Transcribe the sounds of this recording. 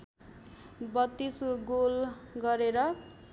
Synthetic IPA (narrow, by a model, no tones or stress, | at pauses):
bʌt̪ːisɡolɡʌɾeɾʌ